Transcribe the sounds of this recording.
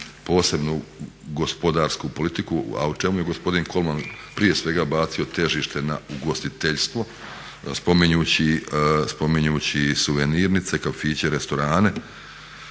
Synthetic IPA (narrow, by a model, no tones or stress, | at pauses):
po̞ːse̞bnu | ɡo̞spo̞d̪aːɾskupo̞lit̪ikua̰ut͡ʃemuje̞ɡo̞spo̞d̪inko̞lˠman | pɾije̞sʋe̞ɡabaːt̪sio̞t̪e̞ʒiːʃt̪e̞nauɡo̞st̪it̪eʎst̪ʋo̞ | spo̞miɲuːt͡ɕispo̞miɲuːt͡ɕisuʋeniɾnit̪se̞kafiːt͡ɕe̞ɾe̞st̪o̞ɾaːne̞